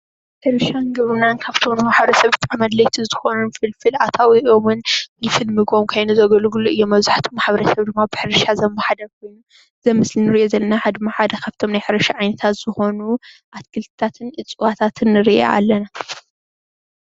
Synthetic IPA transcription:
ħɨɾɨʃanɡɐβɨnankʰaβt̪ʰomnɨħaβɾɐsɐβbɨt̪ʼʕamɐd̪lɐjt̪ʰizɨ̥xo̞nunfɨlfɨlat̪ʰawiomɨnnɨfɨlmɨɡo̞mkʰajnuzɐɡɐlɡuluɨjːomːɐβzaħt̪ʰomːaħβɐɾɐsɐβd̪ɨmːabɨħɨɾɨʃazɐmːaħad̪ɐɾk̚ʰo̞jnu | zɐmɨslinɨɾiʔozɐlːɐnaħad̪ɨmːaħad̪ɐkʰaβt̪ʰo̞mnajħɨɾɐʃaʕajnɐt̪ʰat̪z̥ɨxo̞nuʔat̪kʰɨlt̪ʰɨt̪ʰat̪ʰɨnʔɨt͡sʼɨwat̪ʰat̪ʰɨnːɨɾɨʔa̰a̰lːɐna

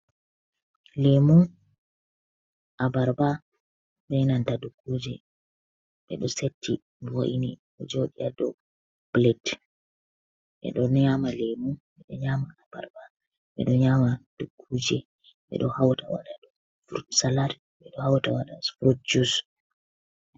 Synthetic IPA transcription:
lemu | ʔabaɾba | bɛnantadukːuːd͡ʒɛ | ɓɛ̰ɗɔsetʰːi | wo̰ʔiniɗɔd͡ʒoɗiadɔ | b̥lɛt | ɓɛ̰ɗɔnɲamalemuɓɛɗɔɲamaːba̰ɾba | ɓɛ̰ɗɔɲamad̥ukʰːud͡ʒɛ | ɓɛ̰ɗɔhawtawa̰ɗaɗɔ | fɾsalaɾ | ɓɛɗɔhawtawaɗasfɾut͡ʃus

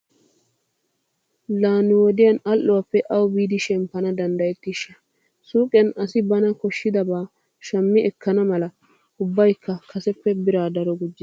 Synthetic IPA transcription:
laːnɪwɔd̪ɪjɐnɐlʔːʊwɐpːɛʔɐwbiːd̪ɪʃɛmpːɐnɐd̪ɐnd̪ɐjɛt̪ːɪʃːɐ̥ | suːkʼɛnɐsɪbɐnɐkɔʃːɪd̪ɐbaː | ʃɐmːɪʔɛkːɐnɐmɐlɐ | ʊbːɐjkʰːɐkʰɐsɛpːɛbɪɾaːd̪ɐɾɔɡʊd͡ʒːɪ

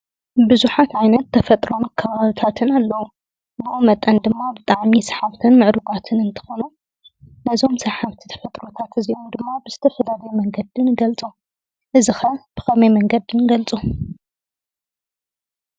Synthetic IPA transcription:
bɨzuħat̪ʕajnɐt̪ʰːɐfɐt̪ʼɾo̞nkʰɐβaβɨt̪ʰat̪ʰɨnalːɐwu | bɨʔomɐt̪ʼːɐnd̪ɨmːabɨt̪ʼaʕmisɐ̥ħaβt̪ʰɨnmɨʕɾuɡʼat̪ʰɨnɨnt̪ʰɨ̥xonu | nɐzo̞msɐħaβt̪ʰi̥t̪ʰɐ̥fɐt̪ʼɾo̞t̪ʰat̪ɨziʔomd̪ɨmːabɨzɨ̥t̪ʰɐfɐlad̪ɐjmɐŋɡɐd̪ɨnɡɐlt͡sʼu | ʔɨzɨxɐb̥ɨxɐmɐjmɐŋɡɐd̪ɨnɡɐlt͡sʼu

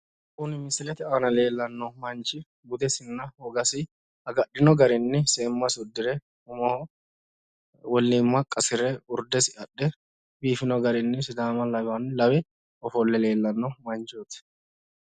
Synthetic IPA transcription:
kʼʊnɪmɪsɪlɛt̪ɪaːnɐle̞ːlːɐnːɔmɐnt͡ʃɪ | ɡʊd̪ɛsɪnːɐhɔɡɐsɪ | ɐɡɐɗɪnɔɡɐɾɪnːɪseːmːɐsʊd̪ːɪɾɛ | ʊmɔ | wɔlːɪmːɐkʼːɐsɪɾɛʊɾd̪ɛsɪɐɗːɛ | biːfɪnɔɡɐɾɪnːɪsɪd̪aːmɐlɐbanɪlɐwɛ | ɔfɔlːɛle̞ːlːɐnːɔmɐnt͡ʃot̪ɪ̥

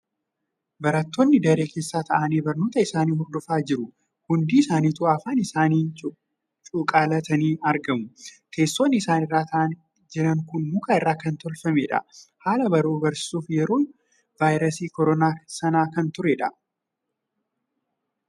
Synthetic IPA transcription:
bɐɾɐt̪ːoːnːɪd̪ɐɾeːke̞ːsːaːt̪ʰɐʔɐniːbɐɾno̞ːt̪ɐɪsaːniːhʊɾd̪ʊfaːd͡ʒɪɾʊ | hʊnd̪iːɪsaːniːt̪ʊafaːnɪsaːniː | t͡ʃʼuːkʼaːlɐt̪ɐniːɐɾɡɐmʊkʰe̞ːsːoːnːɪːsaːnɪrːaːt̪ɐʔɐn | d͡ʒɪɾɐŋkʊnmʊkaːɪrːaːkɐnt̪ɔlfɐmeːᶑɐ̰haːlɐbɐɾuːbɐɾsɪ̥suːfjɛɾoːn | vaːjɾɐsiːkɔɾɔnaːsɐnaːkɐnt̪ʊɾeᶑɐ

